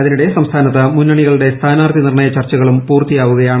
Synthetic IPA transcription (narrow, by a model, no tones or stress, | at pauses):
ɐðinuɽe̞sɐmst̪ʰaːnɐt̪ːɐmunːɐɳiɣɐɭuɽe̞st̪ʰaːnaːrt̪inirɳɐjɐt͡ɕɐrt͡ɕːɐɣɐɭumpuːrt̪ijaːʋuɣɐjaːɳ